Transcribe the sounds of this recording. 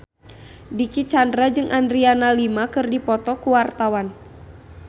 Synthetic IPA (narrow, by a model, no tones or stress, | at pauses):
dikit͡ʃandɾad͡ʒɨŋʔandɾianalimakɨrdipɔt̪ɔkuwart̪awan